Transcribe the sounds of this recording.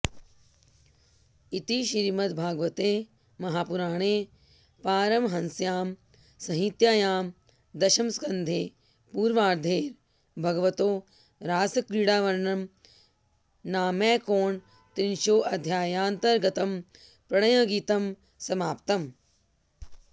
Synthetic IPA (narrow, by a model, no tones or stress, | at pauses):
it̪iʃiɾmɐt̪bʱaːɡʋɐt̪eː | mɐɦaːpuɾaːɳ̃eː | paːɾɐmɦɐnsjaːm | sɐɦit̪jaːjaːm | d̪ɐʃɐmskɐnd̪ʱeː | puːɾʋaːɾd̪ʱeːɾ | bʱɐɡɐʋɐt̪oː | ɾaːsɐkɾiːɽaːʋɐɾɳɐm | naːmeːkoːɳ | t̪ɾinʃoːʔɐd̪ʱjaːjaːnt̪ɐɾɡɐt̪ɐm | pɾɐɳɐjɐɡiːt̪ɐm | sɐmaːpt̪ɐm